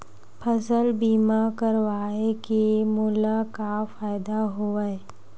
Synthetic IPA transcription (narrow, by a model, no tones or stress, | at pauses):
pʰəsəlbiːmakəɾʋaːekemʊlakafaːɪd̪aɦoəe